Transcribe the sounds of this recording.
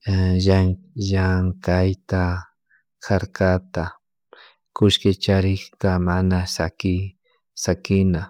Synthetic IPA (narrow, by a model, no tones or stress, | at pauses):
ʒaʒaŋkajt̪a | kʰaɾkat̪a | kʊʃkɪt͡ʃaɾɪχkamanasakɪ | sakɪna